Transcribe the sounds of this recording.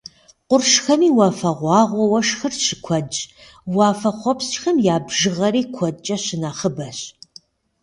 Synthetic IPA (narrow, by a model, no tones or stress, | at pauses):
qʷʊrʂxɐmiːwɑːfɐʁʷɑːʁʷɔwɐʂxɨrʃɪkʷʰɔt͡ʃʼ | wɑːfɐχʷɔpst͡ʃxɐmjaːbʒɨʁɐɾiːkʷʰɔt͡ʃʼɐɕɪnaːχəbɐɕ